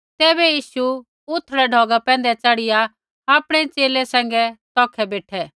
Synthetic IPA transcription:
t̪ɛːbɛjiːʃu | ʊt̪ʰːɾɛɖʱɔːɡapɛ̃ːnd̪ɛt͡sɐɽɪja | aːpɽ̃ɛt͡ʃeːlɛsɛ̃ːŋɡɛt̪ɔːkʰɛbeːʈʰɛː

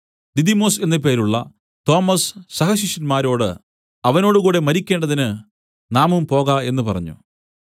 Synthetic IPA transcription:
d̪id̪imo̞ːse̞nːɐp̬e̞ːɾuɭːɐ̰ | t̪o̞ːmɐssɐhɐɕiʂɐnmaːɾo̞ːɽɨ | ɐʋɐno̞ːɽɨkuːɽe̞mɐɾikʲːeːɳɖɐðinɨ | naːmumpo̞ːɣɐe̞nːɨpɐrɐ̰ɲːṵ

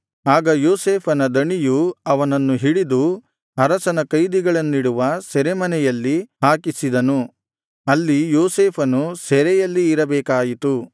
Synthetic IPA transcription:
aːɡɐjoːseːpʰɐnɐd̪ɐɳijuɐʋɐnɐnːuɦiɽid̪u | ɐɾɐsɐnɐkɐjd̪iɡɐɭɐnːiɽuʋɐsɛɾɛmɐnɛjɐlːiɦaːkisid̪ɐnu | ɐlːijoːseːpʰɐnusɛɾɛjɐlːiːɾɐbɛːkaːjit̪u

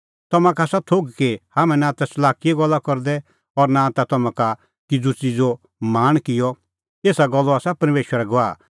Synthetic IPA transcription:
t̪ɔmãkʰasat̪ʰoːɡkehaːmɛ̃nãt̪asɐlaːkɪjɛɡɔlːakɔɾd̪ɛ | ɔɾnãt̪at̪ɔmãka | kɪd͡zut͡sid͡zo | maːɽ̃kɪjɔ | eːsaɡɔlːɔaːsapɐɾmeːʃwəɾɛɡɔaː

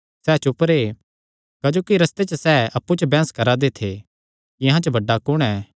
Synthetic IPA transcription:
sɛːt͡ʃʊpəɾe | kɐd͡ʒoːkiɾɐst̪et͡ʃəsɛːɐpːut͡ʃəbɛ̃ːskɐɾad̪et̪ʰe | ɪɦãt͡ʃəbɐɖːakʊɽ̃ɛː

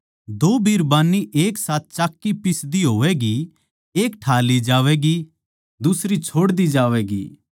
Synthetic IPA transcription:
d̪oːbiːɾbaːnːiʔeːksaːt̪̚t͡ʃaːkːipɪsd̪iɦoːʋɛɡi | eːkʈʰaːlid͡ʒaːʋɛɡi | d̪ʊsɾit͡ʃʰoːɽd̪id͡ʒaːʋɛɡḭː

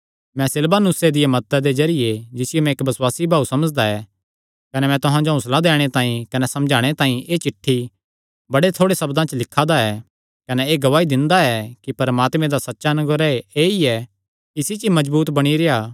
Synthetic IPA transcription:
mɛ̃sɪlbanʊsːed̪ɪjemɐt̪ːəd̪ezɐɾɪjed͡ʒɪsɪjomɛ̃eːkbɐswaːsibʱaːusɐməd͡ʒd̪aɛ | kɐnɛmɛ̃t̪ʊɦãd͡ʒoɦʊslad̪eːɽ̃et̪ãːĩkɐnɛsɐ̃md͡ʒʱaːɽ̃et̪ãːĩʔeːt͡ʃɪʈʰːi | bɐɽet̪ʰoːɽesɐbd̪ãt͡ʃəlɪkʰːad̪aɛː | kɐnɛeːɡɐʋaːid̪ɪ̃nd̪aɛkipɐɾmaːt̪mẽd̪asɐtːʃanʊɡəɾaeiɛ | kisit͡ʃimɐd͡ʒbuːt̪bɐɽ̃iɾejaː

